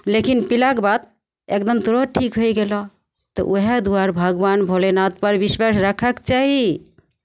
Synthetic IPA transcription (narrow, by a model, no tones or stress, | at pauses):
lekinpilakbat̪̚ | ek̚d̪əmt̪uɾoʈʰikɦojɡelɔ | t̪ɔ̰ʔoɦed̪uaɾbʱəɡbanbʱolenat̪̚pəɾbiswasɾəkʰəkt͡ʃaɦi